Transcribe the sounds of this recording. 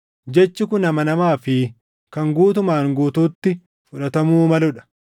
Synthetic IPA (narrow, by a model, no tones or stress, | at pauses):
d͡ʒɛt͡ʃːɪkʊnɐmɐnɐmaːfɪ | kɐŋɡuːt̪ʊmaːŋɡuːt̪uːt̪ːɪ | fʊᶑɐt̪ɐmuːmɐlʊᶑɐ̥